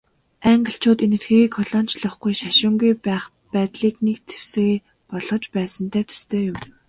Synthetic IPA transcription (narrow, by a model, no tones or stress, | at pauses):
æŋɡə̆ɬt͡ɕʰʊːt̪enɘ̆t̪ɡiːikʰɔɮɔːn̥t͡ɕɮə̆χɡujʃaʃʊːŋɡujpæːχ | pæːt̪ɮiːknekt͡sʰe̥w̥sĕ | pɔɮʁɞ̆t͡ɕpæːsə̆nt̪ʰæːt̪ʰɵ̥st̪ʰeːjʊm